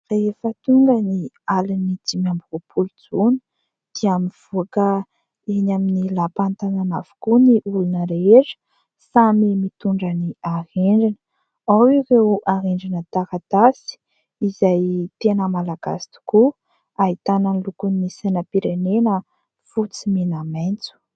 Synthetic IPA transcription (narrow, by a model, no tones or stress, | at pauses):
reefət̪uɳɡəni | alinid͡zimambuopʰulud͡zunu̥ | d̪̥iamiv̥uakə | enaminilapant̪ananav̥u̥kuniʔulunəɾeeʈ͡ʂə̥ | samimit̪uɳɖ͡ʐəniaheɳɖ͡ʐinə̥ | awirewʔaɦeɳɖ͡ʐinət̪akat̪asi̥ | izajt̪enəmalaɡ̥a̰si̥t̪u̥ku | aɦit̪anənlukunːisanəpiɾenenə | fut͡simenamajnt͡su̥